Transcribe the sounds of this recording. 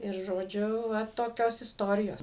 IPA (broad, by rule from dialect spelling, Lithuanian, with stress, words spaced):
ɪr ʒoːˈd͡ʒʲʊ ˈʋɐ toːˈkʲoːs ɪsˈtoːrʲɪjoːs